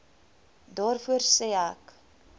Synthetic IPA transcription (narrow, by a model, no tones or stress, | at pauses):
dɑːrfuərsɛak